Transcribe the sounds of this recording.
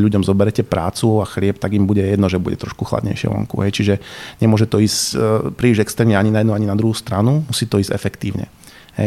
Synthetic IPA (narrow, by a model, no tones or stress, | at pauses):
ʎuɟɔmzɔbɛɾɛcɛpɾa̰ːt͡suaxlɪɛp̚t̪aɡimbuɟɛjɛd̪nɔʒɛbṵɟɛ̰t̪ɾɔʃkuxla̰d̪ɲɛ̰jʃɪɛ̰ʋɔ̰ŋkṵɦɛjt͡ʃiʒɛɲɛmʊɔʒɛt̪ɔiːspɾiːʒɟɛkst̪ɛːmɲɛaɲinajɛd̪naɲinad̪ɾuɦuːst̪ɾanumusiːt̪ɔiːzɟɛ̰fɛkt̪iːʊɲɛ̰ | ɦɛ̰